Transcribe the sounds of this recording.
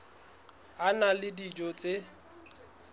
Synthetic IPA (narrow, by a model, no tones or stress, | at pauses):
analɪdid͡ʒot͡sʼe